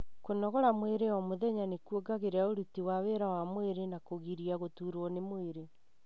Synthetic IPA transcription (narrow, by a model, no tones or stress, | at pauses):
konɔɣɔɾamweɾeɔmoðɛɲanekwoɡaɣeɾeaoɾutiwaweɾawamweɾenakoɣiɾiaɣotuɾɔnemoeɾe